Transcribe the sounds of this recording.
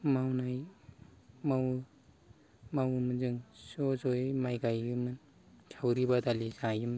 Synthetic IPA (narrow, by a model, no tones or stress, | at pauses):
mawnaj | maw | mawmɯnzɯŋsozojmajɡajɡɯmɯn | kʰawɾibad̪alizãjim